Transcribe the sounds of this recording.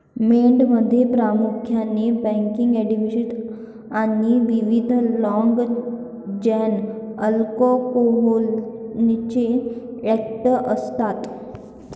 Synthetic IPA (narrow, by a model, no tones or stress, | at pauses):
meɳɖməd̪ʱːjepɾamukʰjanebɛ̃ŋkiŋɡɛɖimiɕiʈ | aniʋiʋid̪ʱlɔŋɡ | d͡ʑɛnəlkokoɦolnit͡ɕeɛk̚ʈəʔəst̪at̪